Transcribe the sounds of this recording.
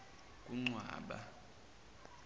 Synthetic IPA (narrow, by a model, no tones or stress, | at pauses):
kʼuŋ͡ǀwa̰ːɓa̰